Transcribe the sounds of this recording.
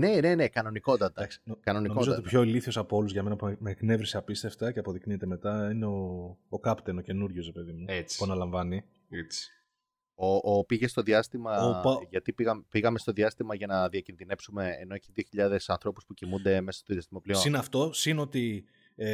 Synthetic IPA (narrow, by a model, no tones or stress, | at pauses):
ne̞ne̞ne̞kɐno̞niko̞t̪ɐt̪ɐɐksi̥kɐno̞ninomozoott̪pço̞eliθio̞sɐpoo̞luzʝɐme̞nɐpmekne̞vɾiseɐpist̪e̞ft̪ɐceɐpo̞ðikniet̪e̞met̪ɐineoːkɐpt̪eno̞ce̞nuɾʝosɾepe̞ðimuet͡spuɐnɐlɐɱvɐni | et͡si̥ | oʔopiʝe̞st̪o̞ðiɐst̪imɐʝɐt̪ipiɣɐmepiɣɐme̞st̪o̞ðiɐst̪imɐʝɐnɐðiɐcinðine̞psume̞ːno̞ciðioçiʎɐðe̞sɐnθɾo̞puspucimund̪e̞me̞sɐ̥st̪oðiɐst̪imoplisoinɐft̪o̞sinot̪i